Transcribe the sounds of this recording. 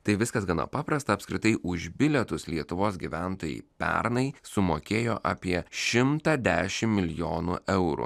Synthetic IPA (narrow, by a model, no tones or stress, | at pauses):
t̪ɐɪʋʲɪskɐsɡɐnɐ̰pɑːpɾɐst̪ɐːpsʲkʲɾʲɪt̪ɐɪʔʊʒbʲɪlʲɛt̪ʊslʲiɛt̪ʊʋoːs̬ɡʲiʋʲæˑnt̪oːjɛ̰ɪpʲɛ̰ɾnɐɪsʊmoːkʲeːjoːʔɐ̰ːpʲiɛʃʲɪmt̪ɐd̪ʲæːʃʲɪmmʲɪlʲɪjoːnʊ̰ʔɛʊɾṵ